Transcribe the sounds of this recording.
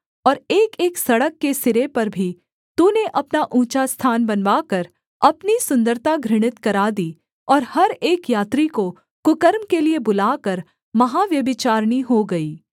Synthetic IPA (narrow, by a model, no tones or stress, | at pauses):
ɔːɾeːkeːksɐɽəkːesɪɾepɐɾbʱi | t̪uːneʔɐpnaʔũːt͡ʃast̪ʰaːnbɐnʋaːkɐɾ | ɐpnisʊ̃nd̪əɾt̪aɡʱɾɪɽ̃ɪt̪kɐɾaːd̪iː | ɔːɾhɐɾeːkjaːt̪ɾiko | kʊkəɾmkeliebʊlaːkɐɾ | mɐɦaʋjɐbɪt͡ʃaːɾɽ̃iɦoɡɐiː